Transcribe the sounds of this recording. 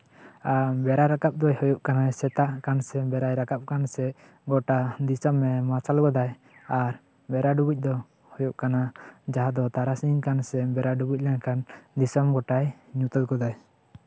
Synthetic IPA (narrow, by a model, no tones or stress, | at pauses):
abɛɾaɾakap̚d̪ɔjhɔjuʔkanajsɛt̪aʔkansɛbɛɾajɾakap̚kansɛ | ɡɔʈad̪isɔmːɛmasalɡɔd̪aj | aɾ | bɛɾaɖubic̚d̪ɔ | hɔjuʔkanad͡ʒaɦad̪ɔt̪aɾasinkansɛbɛɾaɖubic̚ˀlɛnakand̪isɔmɡɔʈajɲut̪ɔt̪̚ɡɔd̪aj